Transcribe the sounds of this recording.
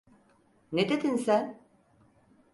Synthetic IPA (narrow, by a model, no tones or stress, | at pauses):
ned̪ed̪insæn